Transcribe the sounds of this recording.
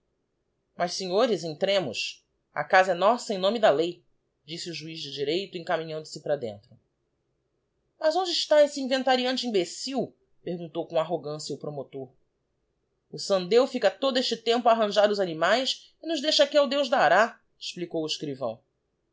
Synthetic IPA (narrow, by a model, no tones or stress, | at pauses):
mɐʃseɲoɾɪzẽj̃t̪ɾẽmʊs | ɐ̰kazɐɛnɔsɐẽj̃nõmɪd̪ɐlej | d͡ʒisiuʒuizd͡ʒɪd͡ʒiɾejt̪ʊẽŋkamĩɲɐ̃nd̪ʊsɪpɾɐd̪ḛ̃nt̪ɾʊ | mɐzõnd͡ʒɪɪʃt̪aesɪĩvẽnt̪aɾiɐ̃nt͡ʃẽbesiw | pehɡũt̪owkõaɦoɡɐ̃sjɐʊpɾomot̪oɾ | ʊsɐ̃nd̪ewfikɐt̪od̪ʊeʃt͡ʃɪt̪ẽmpʊaːɦɐ̃ʒaɾʊzanimajs | ɪnʊʒd̪ejʃɐakiawd̪ewʒd̪aaɾa | ɪ̥ʃplikowɪʃkɾivɐ̰̃w̃